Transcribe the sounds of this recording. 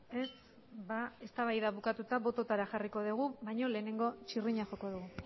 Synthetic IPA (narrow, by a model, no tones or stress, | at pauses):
e̞s | bae̞st̪aβajðaβukat̪ut̪aβo̞t̪o̞t̪aɾaxariko̞ðuɣ̞uβajɲo̞le̞ːne̞ŋɡo̞t͡ʃiriɲaxo̞ko̞ðuɣu